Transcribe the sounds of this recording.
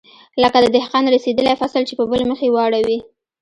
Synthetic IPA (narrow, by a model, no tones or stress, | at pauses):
ləkad̪əd̪ɪhqɑnɾased̪əlajfasalt͡ʃepəbəleməxewaɽawi